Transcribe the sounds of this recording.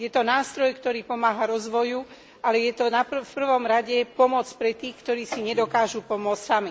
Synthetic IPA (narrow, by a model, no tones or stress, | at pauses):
jɛt̪ɔnaːst̪ɾɔjkt̪ɔɾiːpɔmaːɦaɾɔzʋɔju | ʔalɛjɛt̪ɔnapfpr̩ʋɔmɾaɟɛpɔmɔt͡spɾɛt̪iːxkt̪ɔɾiːsiɲɛd̪ɔkaːʒupɔmʊɔt͡ssami